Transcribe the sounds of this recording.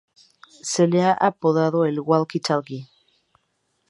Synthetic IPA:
seleaʔapoðaðoelɣwalkit̪ʰalki

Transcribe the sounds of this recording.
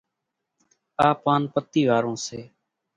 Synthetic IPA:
aːpaːnpət̪ːiːʋaːɾõːseː

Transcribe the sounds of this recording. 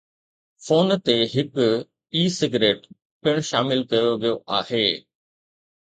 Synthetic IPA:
foːnt̪eɦɪkʊ | iːsɪɡɾeːʈ | pɪɽ̃ʃaːmɪlkɐjoʋijoʔaːheː

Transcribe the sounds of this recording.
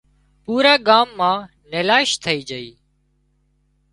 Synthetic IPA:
puːɾaːɠaːmːãː | neːlaːɪʃt̪ʰəiːd͡ʒəiː

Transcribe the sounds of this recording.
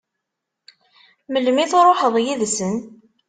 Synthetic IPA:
məlmiθɾˤoħəðˤjiðsən

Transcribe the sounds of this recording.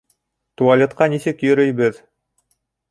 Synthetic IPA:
t̪ualʲet̪̚qɑnisɘkjɵ̆ɾɵ̆jbɘð

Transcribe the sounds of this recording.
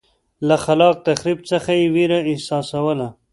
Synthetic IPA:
laxalɑk̚t̪axɾib̚t͡səxajewiɾaɪhsɑːsawəla

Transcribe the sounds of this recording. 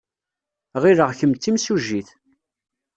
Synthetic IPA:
ʁiɾəʁçəmt̪ːimsuʒiθ

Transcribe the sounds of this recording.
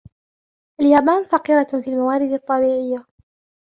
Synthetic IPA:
ʔaljaːbaːnfɑqiːɾɑfiːlmawaːɾɪd̪ɑt̪ˤːɑbiːʕɪjːa

